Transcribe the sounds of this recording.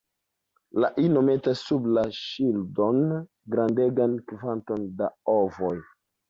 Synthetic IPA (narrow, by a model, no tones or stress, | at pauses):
laʔinome̞tasːublaʃildon | ɡɾande̞ɡankivanto̞ndaovoj